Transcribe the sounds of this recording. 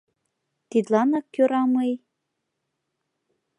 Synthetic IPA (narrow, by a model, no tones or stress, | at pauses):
t̪id̪lɑnɑkʲːøɾɑmej